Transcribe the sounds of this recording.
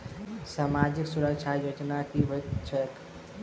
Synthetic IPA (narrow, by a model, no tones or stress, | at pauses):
saːmad͡ʒiksuɾəkt͡ʃʰajod͡ʒnakibʱot̪t͡ʃʰɛk̪